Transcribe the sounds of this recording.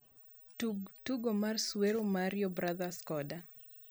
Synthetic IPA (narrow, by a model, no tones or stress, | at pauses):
utuɡomarsweɾomaɾjɔbɾaðaskɔda